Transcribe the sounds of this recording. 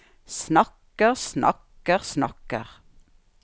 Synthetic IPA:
snɑk | əʁsnʔɑ̰k | əʁsnɑkə̰ʁ

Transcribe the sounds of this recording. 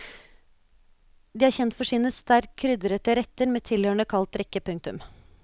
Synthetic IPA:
d̪iːæːɾçɛnt̪fɔʂɪnəst̪æɾkʰɾʏd̪ɾət̪əɾɛt̪əɾmeːt̪ʰɪlhøːɳəkʰɑlt̪ɾɛkəpʰʉŋt̪ʉm

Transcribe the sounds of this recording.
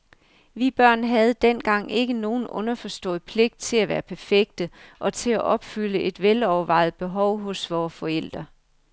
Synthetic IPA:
ʋib̥ɶɐ̰nɦæð̞̩ˠd̥en̰ɡ̥ɑ̈ŋ̰e̝ɡ̥əno̝ːn̩ɔ̽nɐfɒ̽sd̥ɔ̰̽ːð̩ˠpʰle̝ɡ̥̚d̥̚t͡sʰe̝læʋæːɐpʰæɐfeɡ̥̚d̥əʔɒ̽t͡sʰe̝læʔɒ̽b̥fyləʔe̝d̥ʋelɒʊɐʋɑ̈ɪ̰ð̩ˠb̥e̝ɦɒʊ̰ɦɔ̽sʋɒːfɒ̽el̰d̥ʁɐ

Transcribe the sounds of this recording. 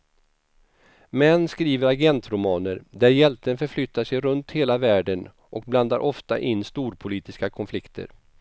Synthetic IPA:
mɛnːskɾiːvəɾaɡɛnt̪ɾʊmɑːnəɾd̪æɾjɛlt̪ənfœɾflʏt̪ːaʂɛjɾɵnt̪heːlavæːɖən | ʔɔk̚bland̪aɾʔɔft̪a̰ʔɪnːst̪uːɾpʰʊliːt̪ɪskakʰɔnflɪkt̪ʰə̰ɾ

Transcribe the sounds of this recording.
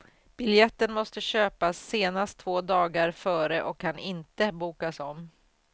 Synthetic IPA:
b̥ɪljɛt̪ːənmɔst̪əɕøːpasːeːnast̪ʰvoːd̪ɑːɡaɾfœːɾəʔɔkʰːanɪnt̪əbuːkasɔmː

